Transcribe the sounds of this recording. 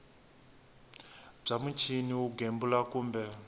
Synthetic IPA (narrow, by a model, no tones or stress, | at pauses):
b͡ʐamut͡ʃʰiniuɡembulakuːmbɛ